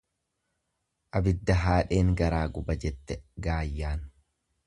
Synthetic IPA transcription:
ʔɐbɪd̪ːɐɦaːᶑe̞ːŋɡɐɾaːɡʊbɐd͡ʒɛt̪ːɛɡaːjːaːn

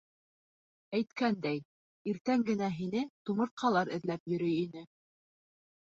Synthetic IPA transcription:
æjt̪kænd̪æj | iɾt̪æŋɡɘ̆næɦinɘt̪umɤ̆ɾ̚qʰɑlˠɑɾɘ̆ðlæpjɵ̆ɾɵjinɘ

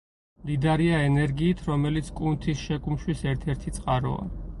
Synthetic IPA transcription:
lid̪aɾiaɛnɛɾɡiːt̪ʰɾɔmɛlit̪sʰkʼunt̪ʰisʃɛkʼumʃwisɛɾt̪ʰɛɾt̪ʰit̪sʼqʼaɾɔ̰a̰

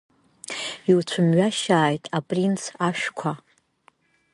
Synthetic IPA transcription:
iwt͡ɕʷʰʊmɥaʃaːjtʼapʼrint͡sʰaʃᶣkʷʰa

